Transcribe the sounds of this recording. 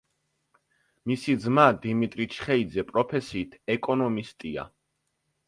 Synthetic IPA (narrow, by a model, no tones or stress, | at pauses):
misid̪zmad̪imit̪ʼɾit͡ʃʰχɛid̪zɛpʼɾɔpʰɛsiːt̪ʰɛkʼɔnɔmist̪ʼia̰